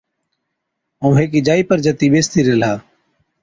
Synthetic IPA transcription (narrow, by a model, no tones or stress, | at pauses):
õːɦeːkiːd͡ʒaːiːpəɾd͡ʒat̪iːɓeːst̪iːɾeːlɦaː